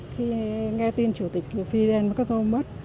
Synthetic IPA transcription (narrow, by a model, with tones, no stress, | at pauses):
xi˧ŋɛ˧t̪i˧nt͡ɕu˧˩t̪i˨˩k̟̚ku˧˩əfi˧zɛ˧nma˨˩kaː˦˥k̚o˧mə˦˥t̚